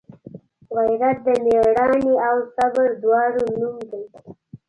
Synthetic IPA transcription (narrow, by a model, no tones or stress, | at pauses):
ɣajɾat̪̚d̪əmeɽɑniawsabəɾd̪wɑɽonumd̪ej